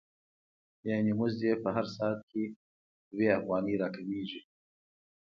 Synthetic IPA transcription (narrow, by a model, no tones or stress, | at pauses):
janimʊzd̪epɐɦaɾsɑːt̪̚ki | weafɣɑːniɾakɐmiːʒi